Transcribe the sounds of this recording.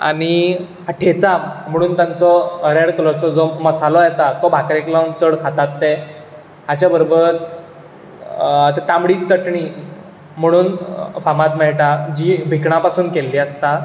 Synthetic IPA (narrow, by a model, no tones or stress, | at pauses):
a̰ɽ̃i | ɦaʈʰet͡sa̤əɽ̃ũːnt̪jãnt͡sɔɾeɽklɔt͡sɔd͡zɔməsalɔjɛt̪at̪ɔbʱakɾẽklɔ̃mt͡səɽkʰat̪at̪ːe | ɦat͡ɕjabəɾobəɾ | t̪et̪ãmbɽiːt͡səʈɳiː | m̤əɽ̃uːnfamat̪mɛɭʈad͡ʑiːbʱikɳapasuːnkelːiəst̪a